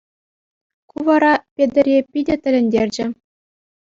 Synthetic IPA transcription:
kuʋɑɾɑpʲed̪ʲɘ̆rʲepʲidʲɘ̆t̪ʲɘ̆lʲɘ̆nʲdʲerʲd͡ʑɘ̆

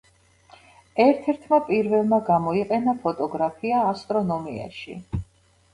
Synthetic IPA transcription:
ɛɾt̪ʰɛɾt̪ʰmapʼiɾvɛlˠmaɡamɔiqʼɛnapʰɔt̪ʼɔɡɾapʰiaːst̪ʼɾɔnɔmia̰ʃḭ

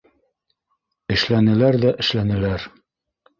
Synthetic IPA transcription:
ɘ̆ʃlænɘ̆læɾðæʔɘ̆ʃlænɘ̆læɾ

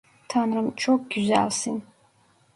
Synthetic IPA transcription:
tʰanrɨmt͡ʃʰok̚ɡ̥ʲyza̰lsin

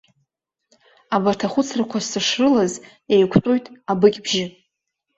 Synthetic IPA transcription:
abartʰaχʷʊt͡sʰrakʷʰassaʂrɨlaz | ejkʷʰtʼojtʼabɨkʲʼbʒɪ

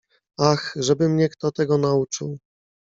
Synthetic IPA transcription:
axʐɛbɘmɲɛkt̪ɔt̪ɛɡɔnaut͡ʂɘ̰w

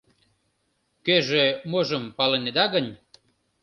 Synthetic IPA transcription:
køʒemoʒə̆mpɑlened̪ɑɣənʲ

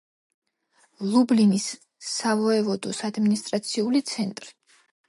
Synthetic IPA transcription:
lˠublinisː | avɔɛvɔd̪ɔsad̪minist̪ʼɾat̪sʰiulit̪sʰɛnt̪ʼɾi

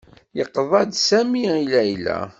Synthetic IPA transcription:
jəqːðˤɑd̪sæmiilæjlæ̰

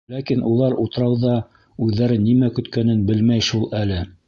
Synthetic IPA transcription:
lækinʔulˠɑɾut̪ɤ̆ɾɑwðɑ | ʉðːæɾɘnːimækɵ̆t̪kænɘnbɘlmæjʃulˠælɘ

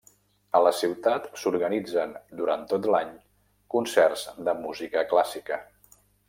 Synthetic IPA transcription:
ələsiwt̪at̪suɾɣənid͡zənd̪uɾant̪ot̪laɲ | kunsɛrzd̪əmuzikəklasikə

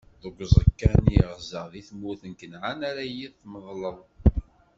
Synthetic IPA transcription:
ðəɡʷzˤəkːænjʁzəʁðiθmuθənkənʕanaɾajiðθməðˤləðˤ

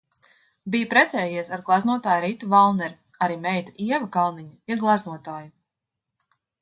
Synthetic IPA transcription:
bijpɾɛt̪sɛːjiɛsaɾɡlˠaznuɔt̪aːjɾit̪uvalˠnɛɾ | aɾiːmɛjt̪aiɛvakalˠniɲaiɾɡlˠaznuɔt̪aːju

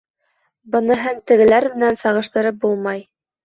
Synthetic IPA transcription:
bɤ̆nɤ̆ɦɤɴt̪ɘ̆ɡɘ̆læɾmɘ̆nænsɑʁɤ̆ʃt̪ɤ̆ɾɤp̚bulˠmɑj

